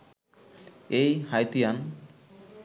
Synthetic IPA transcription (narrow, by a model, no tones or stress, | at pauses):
ejhajt̪ijan